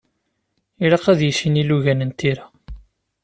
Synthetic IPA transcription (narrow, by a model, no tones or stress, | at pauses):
iɾɑqæðjəʃiniluʝænənt̪iɾæ